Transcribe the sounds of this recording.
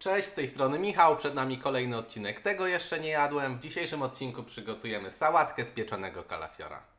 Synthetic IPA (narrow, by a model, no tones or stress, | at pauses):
t͡ʂɛ̃ɕt͡ɕst̪ɛjst̪ɾɔnɘmʲixawpʂɛd̪namʲikɔlɛjnɘɔt̪̚t͡ɕinɛkt̪ɛɡɔjɛʂt͡ʂɛɲɛjad̪wɛmvd͡ʑiɕejʂɘmɔt̪̚t͡ɕinkupʂɘɡɔt̪ujɛmɘsawat̪kɛspʲjɛt͡ʂɔnɛɡɔka̰la̰fʲjɔ̰ɾa̰